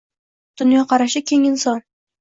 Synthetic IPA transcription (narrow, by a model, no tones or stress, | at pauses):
d̪̥ʊnjɒqʰɑɾaʃɪkʲʰeŋɪnsɒn